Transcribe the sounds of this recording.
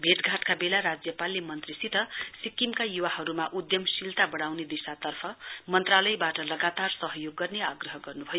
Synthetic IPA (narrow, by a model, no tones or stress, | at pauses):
bʱeʈ̪ɡʱaʈkabelaɾad͡zjʌpalːemʌnt̪risit̪ʌsikːimkajuwahʌɾumaʔud̪jʌmsilt̪abʌɽawned̪isat̪ʌrpʰʌmʌnt̪ralʌjbaʈʌlʌɡat̪arsʌɦʌjoɡːʌrneaɡrʌɦʌɡʌrnubʱʌjo